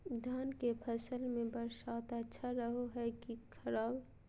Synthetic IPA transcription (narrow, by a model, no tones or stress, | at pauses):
d̪ʱaːnkepʰəsəlmẽbəɾʃaːt̪ətːʃʰaɾəɦoɦɛkikʰəɾaːb